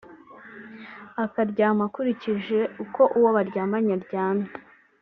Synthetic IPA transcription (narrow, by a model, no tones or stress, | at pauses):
akaɾɟaːmakuɾiciʒe̞uko̞ʔuwoβaɾɟaːmaɲaɾɟaːna